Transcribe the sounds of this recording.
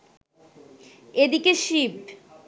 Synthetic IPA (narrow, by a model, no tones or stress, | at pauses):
ed̪ikeʃib